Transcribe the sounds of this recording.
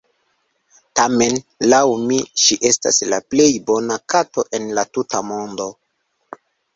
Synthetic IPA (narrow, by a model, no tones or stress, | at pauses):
tame̞nlawmiʃiʔe̞sta̰slaple̞jbo̞nakato̞ʔe̞nlatutamo̞ndo̞